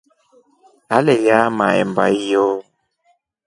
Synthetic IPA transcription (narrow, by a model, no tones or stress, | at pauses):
alɛjama̰ɛ̰mbaijɔ